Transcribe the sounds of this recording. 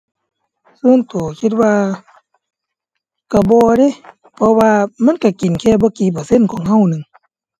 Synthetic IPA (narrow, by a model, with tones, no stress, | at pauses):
suː˧˥˨nt̪u˨˩˦kʰi˧t̪̚waː˧ | ka˧˩bɔː˧ɾe˧˥˨ | pʰɔ˧waː˧ma˧˥˨nka˧˩ki˨nkʰɛː˧˩bɔː˧˦kiː˨˦bɔː˨˩se˧˥˨nkʰɔː˨˩˦ŋɦa˧˨wnɯ˨ŋ